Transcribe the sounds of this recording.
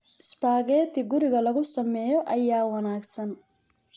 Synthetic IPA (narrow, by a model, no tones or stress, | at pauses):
ɪspaːɣɛːt̪ʰɪɡʊɾɪɣɐlɐɣʊsɐmɛːjɔʔɐjaːwɐnaːɡsɐn